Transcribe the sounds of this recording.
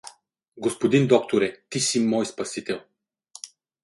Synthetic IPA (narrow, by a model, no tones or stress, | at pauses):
ɡospod̪ind̪ɔk̚t̪oɾɛt̪isimːɔjspɐsit̪ɛlˠ